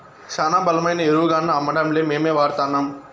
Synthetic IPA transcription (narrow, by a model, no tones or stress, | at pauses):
t͡ʃaːnaːbɐlɐmɐjnɐeɾuːɡaːnːɐːmːɐɽɐmleːmeːmeːʋaːɾt̪aːnːaːm